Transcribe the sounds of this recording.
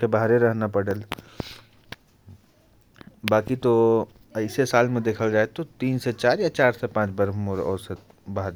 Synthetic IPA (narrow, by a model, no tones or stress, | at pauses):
kebaɦɾeɾəɦnapəɽəl | baːkit̪o | əɪsesaːlmẽd̪eːkʰəld͡ʒaːet̪ot̪iːnset͡ʃaːɾjat͡ʃaːɾsepãːt͡ʃbəɾmoɾɔ̰ːɾse | baɦɾe